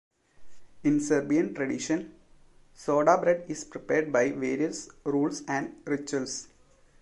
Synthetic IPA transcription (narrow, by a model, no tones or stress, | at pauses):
ɪ̃nsɐɾbiə̃nʈɾɐɖɪʃə̃n | soːɖaːbɾɛɖɪspɾɪpeːɾɖ̚baɪʋeːɾiəsɾuːlsæ̃ɳɖɾɪt͡ʃəls